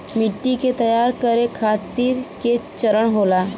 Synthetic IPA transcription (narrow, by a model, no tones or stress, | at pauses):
miʈːiket̪əjaɾkəɾekʰat̪iːɾket͡ɕəɾəɳɦola